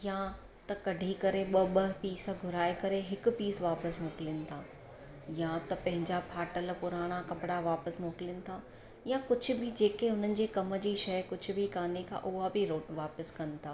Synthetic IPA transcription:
jã | t̪ɐkɐɖʱikɐɾeɓɐɓɐɦpiːsɡʱʊɾaːekɐɾeɦɪk̆piːsʋaːpəsmoːkɪlɪjənɪ̆t̪ʰaː | jãt̪ɐpɐ̃ɦɪ̃ɲd͡ʑapʰaːʈəlpʊɾaːɽ̃akɐpɽaʋaːpəsmoːkɪljənɪ̆t̪ʰaː | jãkʊd͡ʑʱʊ̆bʱɪd͡ʑeːkeʊn̤ənɪ̆d͡ʑeːkɐmə̆d͡ʑiʃɐjkʊd͡ʑʱʊ̆bʱɪkaːnekʰã̰ʔʊɦabʱɪɾoːʋaːpəskɐnɪ̆t̪ʰaː

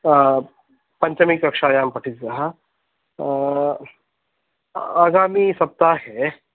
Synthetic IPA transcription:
pɐ̃ɲt͡ʃɐmikɾɐkʂaːjaːmpɐʈʰit̪zɐɦa | aːɡaːmisɐp̚t̪aɦɛ

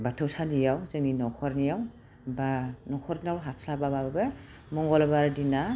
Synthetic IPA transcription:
batʰɔwsadijawzɛninɔkʰɔɹnijaw | banɔkʰɔɾniawɦatʰlababababɛ | mɔŋɡɔlɔbaɹdina

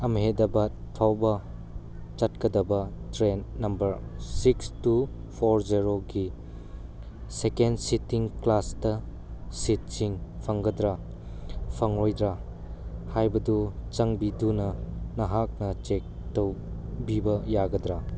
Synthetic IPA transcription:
ɐmɦedɐbɐt̚pʰawbɐ | t͡ʃɐt̚kɐdɐbɐtɾenːɐmbɐɾsikstu | pʰoɾziɾoɡi | sekensitiŋklastɐ | sit̚siŋpʰɐŋɡɐdɾa | pʰɐŋɾojdɾa | hajbɐdut͡ʃɐŋbidunɐnɐɦak̚nɐt͡ʃek̚towbibɐjaɡɐdɾa

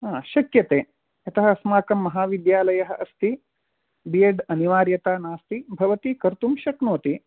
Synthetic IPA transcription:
aʃɐkjɐt̪eː | ɐt̪ɐɦɐsmaːkɐmːɐɦaːʋid̪jaːlɐjɐɦɐʔɐst̪i | bijeɖɐniʋaːɾjɐt̪aːnaːst̪ibʱɐʋɐt̪ikɐɾt̪umʃɐknoːt̪i

